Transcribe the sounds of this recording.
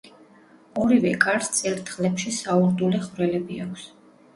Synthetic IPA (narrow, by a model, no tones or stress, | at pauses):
ɔɾivɛkʼaɾst̪sʼɛɾt̪ʰχlɛpʃisauɾd̪uliχvɾɛlɛbiakʷʰs